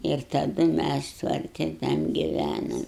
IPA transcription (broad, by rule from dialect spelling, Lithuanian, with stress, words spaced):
ɪr tɐˈdʊ ˈmʲæs tʋɐrʲˈtʲɪ tɐm ɡʲɪˈʋʲænoːm